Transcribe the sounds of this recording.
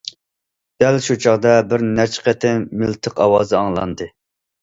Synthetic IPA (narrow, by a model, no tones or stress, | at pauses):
d̪̥ælʃut͡ʃʰɑʁd̪ɑbɪɾnæt͡ʃqɛt̪ʰɪmɪlt̪ʰəqɑwɑ̰ːzɨɑŋlˠɑ̰nd̪ɨ